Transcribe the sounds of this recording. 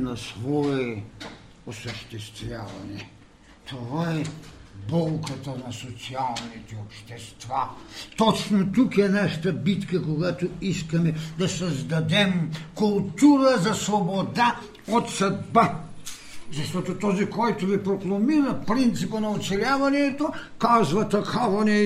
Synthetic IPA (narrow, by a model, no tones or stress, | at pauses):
nɐsvɔɛ | osəʃt̪ɛst̪vʲjavɐ̰nɛ | t̪ʰovaɛbɔlˠkət̪ənɐsot̪sialˠnit̪ɛopʃt̪ɛst̪vat̪ɔt͡ʃnot̪ukɛnɛʃt̪ɐbit̪kəkoɡat̪oiskɐmɛd̪ɐsɐzd̪ɐd̪ɛmkulˠt̪uɾɐzɐsvobod̪a | ot̪sɐd̪ba | zɐʃt̪ɔt̪ot̪ɔzikɔjt̪ovipɾoklˠɐmiɾɐpɾint̪sipənɐot̪sɛlʲjavɐnɛt̪okazvɐt̪ɐxʰavˠɐnʲɛ